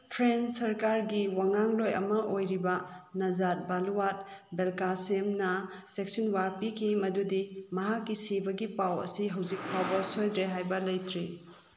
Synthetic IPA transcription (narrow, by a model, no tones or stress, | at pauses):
pʰɾensɐɾkaɾɡiwaŋaŋlojɐ̰mɐʔojɾibɐnɐzat̚baluwat̚belkasemnɐ | seksinwapikʰimɐdudimɐɦakːisibɐɡipawɐ̰siɦɐwzik̚pawbɐsojdɾeɦajbɐlɐjtʰɾi